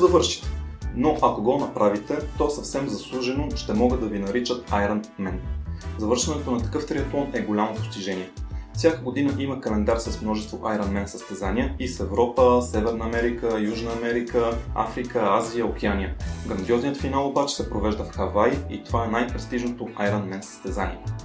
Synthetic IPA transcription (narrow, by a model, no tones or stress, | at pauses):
zɐvɤɾʃi̥t̪ɛ̥noʔɐkoɡɔnɐpɾavit̪ɛt̪ɔɛsɐfsɛmzɐslˠuʒɛnoʃt̪ɛmɔɡəd̪ɐvinɐɾit͡ʃət̪ajɾənmɛnzɐvɤɾʃɛnɛt̪onɐt̪ɐ̥kɤft̪ɾiɛt̪ˠɔnɛɡolʲamopo̥st̪iʒɛnʲiɛfsʲjakəɡod̪inəʔiməkɐlɛnd̪aɾsɐsmnɔʒɛst̪voʔajɾɐnmɛnsəst̪ɛzaniəisɛvɾɔpəsɛvɛɾnəːmɛɾikəjuʒnəːmɛɾikəa̰fɾikəaziəok̟ɛanʲiəɡɾɐnd̪iɔznijət̪finalˠobat͡ʃɛ̥sɛpɾovɛʒd̪əfxɐvajḭt̪ovaɛnajpɾɛst̪iʒnot̪oʔajɾənmɛnsə̥st̪ɛzanḭɛ